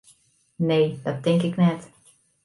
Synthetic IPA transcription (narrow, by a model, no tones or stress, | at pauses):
neːd̥ɑt̚dɪŋkɪknɛt